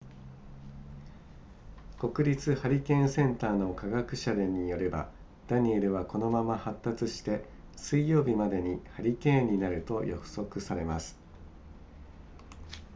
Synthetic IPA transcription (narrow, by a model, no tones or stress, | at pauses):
ko̞kɯ̟ɾʲit͡sɨhaɾʲikẽ̞ɰ̃sẽ̞nt̪aːno̞kaɡakɯ̟ɕad̪e̞ɲ̟ijo̞ɾe̞ba̰ | d̪̥aɲ̟ʲieɾɯ̟β̞ako̞no̞mamahat̪ːat͡sɨɕi̥t̪e̞ | sɨijo̞ːbʲimad̪e̞ɲ̟ihaɾʲikẽ̞ɲ̟inaɾɯ̟t̪o̞jo̰kɯ̟̥so̞kɯ̟saɾe̞masɨ̥